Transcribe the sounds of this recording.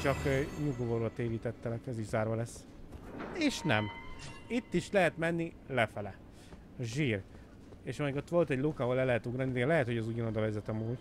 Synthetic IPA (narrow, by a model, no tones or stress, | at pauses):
t͡ʃɒkːɲuɡovoɾot̪eːviːt̪ɛt̪ːɛlɛkɛziʃzaːrvɒlɛsː | eːʃnɛmit̪ːiʃlɛɦɛt̪mɛnːi | lɛfɛlɛ | ʒiːr | eːʃɒmiɡot̪ʋo̞lt̪ɛɟlukɒɦolɛlːɛɦɛt̪uɡrɒnid̪ɛlɛɦɛt̪hoɒzuɟɔnod̪ɒvɛzɛt̪ɒmuːɟ